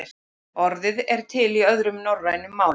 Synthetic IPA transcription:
ɔɾðɪðɛɾ̥t̪ʰɪliœðɾʏmnɔwɾrajnʏmːaːw

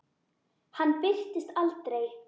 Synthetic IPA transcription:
hanːpɪr̥t̪ɪst̪alt̪ɾej

